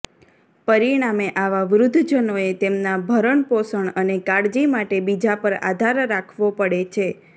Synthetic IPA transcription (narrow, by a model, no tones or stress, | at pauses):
pəɾiɽ̃ameʔaʋaʋɾʊd̪ʱːd͡ʒənoet̪emnabʱəɾəɳposəɳənekaɽd͡ʒimaʈebid͡ʒapəɾa̰d̪ʱaɾːakʰʋopəɽet͡ʃʰe